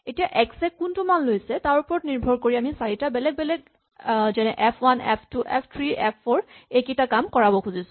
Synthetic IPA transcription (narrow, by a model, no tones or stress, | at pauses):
etijaʔɛksɛkːuntumanlojsɛtaɹupɔɹɔtniɹbʱɔɹkoɹiamisaɹitabɛlɛɡ̚bɛlɛɡ | zɛnɛʔɛpʰwanɛpʰtuʔɛpʰtʰɹiʔɛpʰːɔɹekitakamkɔɹabɔkʰuzisʊ̥̃